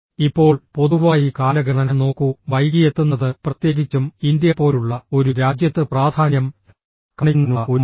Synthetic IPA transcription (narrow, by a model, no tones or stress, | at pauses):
ipːo̞ːɭpo̞ðuʋaːjikaːlɐɡɐɳɐnɐno̞ːkːuʋɐjɡijet̪ːunːɐðɨprɐt̪je̞ːɡit͡ɕːumind̪jɐpːo̞ːluɭːɐo̞ɾuɾaːd͡ʑjɐt̪ːɨpraːd̪ʱaːnjɐm | kɐɳinːnɐʔo